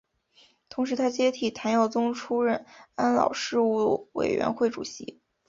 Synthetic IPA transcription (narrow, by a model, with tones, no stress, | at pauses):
t̪ʰʊ˧˥ŋʂɻ̩˧˥t̪ʰa˥t͡ɕjɛ˥t̪ʰi˨˩t̪ʰa˧˥njɑ˥˩ʊt͡sʊ˥ŋʈ͡ʂʰu˥ɻə˥˩na˥nlɑ̰˨˩ʊʂɻ̩˥˧u˥˩wḛ˨˩ɪɥɛ̰˧˥nxwe˥˩ɪʈ͡ʂṵ˨˩ɕi˧˥